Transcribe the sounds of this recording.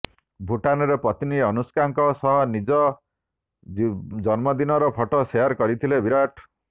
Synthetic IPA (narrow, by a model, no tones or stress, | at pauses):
bʱuʈanɔɾepɾɔt̪iniɔnuskaŋkɔsɔɦɔnid͡ʒɔ | d͡ʒɔnmɔd̪inɔɾɔpʰɔʈɔseɔɾkɔɾit̪ʰilebiɾaʈʰ